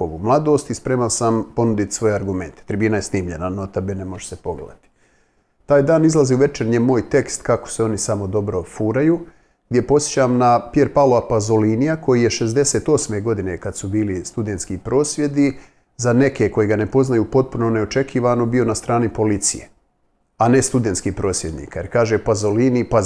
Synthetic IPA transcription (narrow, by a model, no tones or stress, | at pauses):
oʋṵmlˠad̪o̞ːst̪ispɾeːmalsampo̞nud̪it̪sʋo̞jeaɾɡume̞nt̪e̥t̪ɾibiːnaje̞sniːmʎe̞nanot̪abenemo̞ʒe̥sepo̞ɡlḛd̪a̰t̪i̥ | t̪aːjd̪aːnizlˠaziuʋe̞t͡ʃeɾɲemo̞ːjt̪e̞kst̪kako̥seo̞nisamo̞d̪o̞bɾo̞fuːɾajuː | ɡd̪ʲje̞po̞sjet͡ɕaːmnapje̞ɾpaloapazolinijako̞jije̞ʃe̞zd̪e̞seːt̪o̞ːsmeɡo̞d̪ine̞kad̪subiːlist̪ud̪ent̪skiːpɾo̞ːsʋje̞d̪i | zane̞ke̞ko̞jeɡane̞po̞znajuːpo̞t̪̚puno̞ne̞ot͡ʃe̞kʰiːʋanobio̞nast̪ɾaːnipo̞lit̪sḭjḛ | ane̞st̪ud̪ent̪skiːpɾo̞ːsʋje̞d̪nḭːkajeɾkaːʒepazolinipa